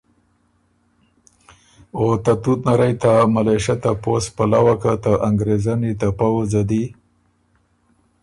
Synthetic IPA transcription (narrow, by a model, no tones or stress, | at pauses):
ot̪at̪ut̪naɾajt̪amalaʃat̪apospalawakat̪aʔaŋɡɾezanit̪apawzad̪i